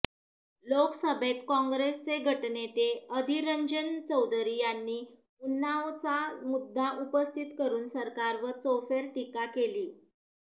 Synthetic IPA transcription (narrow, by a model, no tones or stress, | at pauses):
loksəbʱet̪kɔ̃ŋɡɾest͡seɡʱəʈnet̪eəd̪ʱiɾəɲd͡ʑənt͡səwd̪ʱɾiːjanːiː | unːaʋt͡samud̪ʱːaʔupəst̪ʰit̪kəɾuːnsəɾkaɾʋət͡sofeɾʈ̪ikakeliː